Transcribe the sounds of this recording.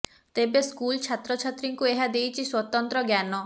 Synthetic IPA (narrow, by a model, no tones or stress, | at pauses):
t̪ebeskult͡ʃʰat̪ɾɔt͡ʃʰat̪ɾiŋkueɦad̪ejt͡ʃʰiswɔt̪ɔnt̪ɾɔɡjanɔ